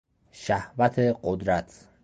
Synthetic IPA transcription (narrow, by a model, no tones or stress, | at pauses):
ʃæhvæt̪ʰeɢod̪ɾæt̪ʰ